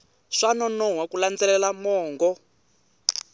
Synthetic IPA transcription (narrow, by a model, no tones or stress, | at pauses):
ʂanɔnɔɦwakuland͡zɛlɛlamɔːŋɡɔ